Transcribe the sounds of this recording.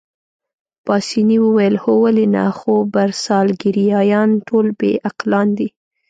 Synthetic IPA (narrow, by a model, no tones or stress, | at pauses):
pɑsiniwəwajəlhowalina̰xobaɾsɑlɡɪɾijɑjɑnʈʰolbḛʔaqlɑnd̪i